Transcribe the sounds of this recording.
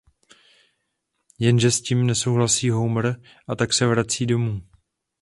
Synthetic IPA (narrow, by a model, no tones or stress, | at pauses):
jɛnʒɛsciːmnɛso̞wɦlasiːɦowmɾ | ʔat̪aksɛvɾat͡siːdo̞muː